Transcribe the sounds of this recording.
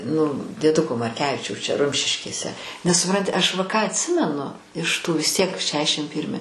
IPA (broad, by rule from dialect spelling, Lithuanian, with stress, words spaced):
nʊ dʲiɛˈdʊkoː mɐrʲˈkʲæːʋʲɪt͡ʃʲɛʊs t͡ʃʲɛ ˈrʊmʲʃʲɪʃʲkʲeːsʲɛ nʲɛs sʊˈprɐnʲtʲɪ ˈɐʃ ʋɐ ˈkɑː ɐtʲˈsʲɪmʲɛnʊ ɪʃ ˈtuː ʋʲɪs ˈtʲiɛk ˈʃʲæːʃʲɪm ˈpʲiːrʲmʲɪ